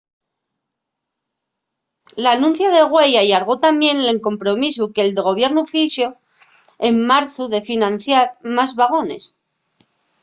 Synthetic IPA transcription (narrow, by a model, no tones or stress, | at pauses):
lanũn̟θjaðe̞ɣwe̞jaʎaɾɣ̞o̞t̪amje̞nle̞ŋko̞mpɾo̞mis̬ukeld̪eɣo̞β̞je̞ɾnufiʃo̞ | e̞mːaɾθuðe̞finãnθjaɾmazβaɣ̞o̞ne̞̰s